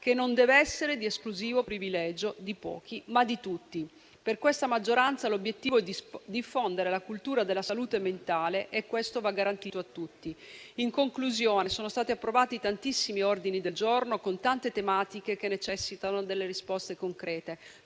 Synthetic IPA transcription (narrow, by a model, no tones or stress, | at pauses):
kenːond̪ɛːveɛsːeɾed̪ieskluziːvopɾivilɛːd͡ʒod̪ipɔ̰ːk̟imad̪it̪ut̪ːi | perkwest̪amad͡ʒːoɾant̪salobjet̪ːiːvoɛd̪id̪ifːond̪eɾelakult̪uːɾad̪elːasaluːt̪ement̪aːleʔɛkːwest̪ovaɡːaɾant̪it̪oat̪ːut̪ːiiŋkoŋkluzjoːnesoːnost̪aːt̪iapːɾovaːt̪it̪ant̪isːimiord̪inid̪eld͡ʒornokont̪ant̪et̪emaːt̪ikekenːet͡ʃɛsːit̪anod̪elːeɾispɔst̪ekoŋkɾɛːt̪e